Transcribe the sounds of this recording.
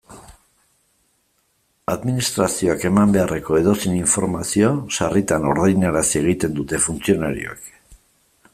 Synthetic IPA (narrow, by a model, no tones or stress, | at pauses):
aðminist̪ɾasio̞ake̞mambe̞are̞ko̞e̞ðo̞siniɱfo̞ɾmasiosarit̪ano̞̰ɾðajnaɾasie̞ɣ̞it̪e̞nd̪ut̪e̞funt͡sio̞naɾḭoḛk